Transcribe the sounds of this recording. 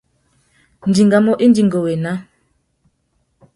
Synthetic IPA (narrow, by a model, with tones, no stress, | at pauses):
n̩˨di˨ŋɡa˨mɔ˦ʔi˦n˦di˨ŋɡɔ˨wɛ˨na˦